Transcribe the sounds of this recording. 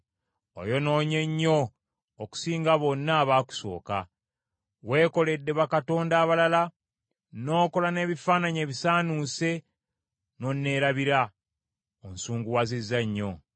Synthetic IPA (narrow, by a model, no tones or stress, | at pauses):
o̰jo̞no̞ːɲe̞ɲːo̞ː | ku̥siːŋɡaβo̞nːaːβaːku̥so̞̰ːka̰ | we̞ːko̞le̞dːe̞βakato̞ːndaːβalala | no̞ːko̞lane̞ːβifaːnaɲe̞ːβisaːnuse̞ | no̞nːe̞ːɾaβiɾa | onsuːŋɡuwazizːaɲːo̞